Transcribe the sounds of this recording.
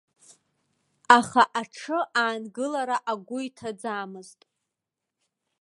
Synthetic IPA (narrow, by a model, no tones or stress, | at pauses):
aχaʔaʈ͡ʂʰɨʔaːnɡɨlaɾaʔaɡʷʊitʰad͡zaːmɨztʼ